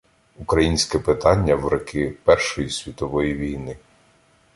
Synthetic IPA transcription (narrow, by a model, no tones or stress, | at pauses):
ukɾɐjinʲsʲkɛpɪt̪ɑnʲːɐwɾɐkʰɪpɛrʃɔjisʲʋʲit̪ɔʋɔjiʋʲijnɪ